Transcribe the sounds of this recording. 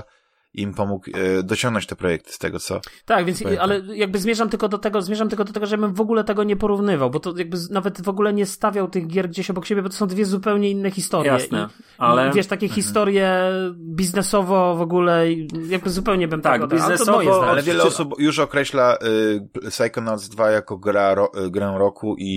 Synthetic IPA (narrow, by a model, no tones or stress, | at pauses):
impɔmukd̪ɔt͡ɕɔŋɡnɔ̃ɲt͡ɕt̪ɛpɾɔjɛk̚t̪ɘ̥st̪ɛ̰ɡɔt̪sɔ̰t̪aɡvʲjɛnalɛjaɡ̚bɘzmjeʐamt̪ɘlkɔd̪ɔt̪ɛɡɔzmʲeʐamt̪ɘlkɔd̪ɔt̪ɛɡɔʐɛbɘmvɔɡulɛt̪ɛɡɔɲɛpɔɾuvnɘvawbɔt̪ɔjaɡ̚bɘnavɛt̪vɔɡulɛɲɛst̪avʲjawt̪ɘɣɡʲjɛɾɡd͡ʑeɕɔbɔkɕebʲjɛbɔt̪ɔsɔ̃w̃d̪vʲjɛzupɛwɲɛinːɛxʲist̪ɔɾɛʔ̪i | alɛvʲjɛʂt̪akʲɛxʲist̪ɔɾjɛbʲiznɛsɔvɔvɔɡulɛijaɡ̚bɘzupɛwɲɛbɘmt̪ɛɡɔizɛst̪ɔɔmɔjɛɔaalɛvjɛlɛɔsupjuʂɔkɾɛɕla | sajkɔnalzd̪vajakɔɡɾaɾɔɡɾɛɾɔkʰuʔi